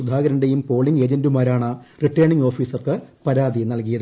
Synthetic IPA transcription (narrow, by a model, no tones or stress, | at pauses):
ud̪ʱaːɡɐɾɐɳɖejumpo̞ːɭiŋɡe̞ːd͡ʑɐndumaːɾaːɳɨriʈːɐjɳiŋɡo̞ːfiːsɐrkɨpɐɾaːd̪inɐlkijɐðɨ